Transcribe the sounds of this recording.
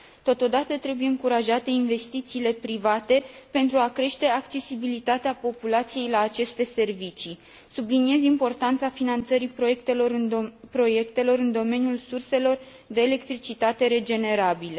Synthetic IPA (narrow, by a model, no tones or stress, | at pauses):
t̪o̞t̪o̞d̪at̪ət̪ɾe̞bujeɨŋkuɾaʒat̪e̞inve̞st̪it̪siːle̞pɾivat̪e̞pe̞nt̪ɾuakɾe̞ʃt̪e̞akt͡ʃe̞sibilit̪at̪eapo̞pulat̪sije̞jlaːt͡ʃe̞st̪e̞se̞rvit͡ʃi | sublinie̞zimpo̞rt̪ant̪safinant̪səɾipɾo̞je̞kt̪e̞lo̞ɾɨnpɾo̞je̞kt̪e̞lo̞ɾɨnd̪o̞me̞njulsurse̞lo̞r | d̪e̞ːle̞kt̪ɾit͡ʃit̪at̪e̞ɾe̞d͡ʒe̞ne̞ɾabile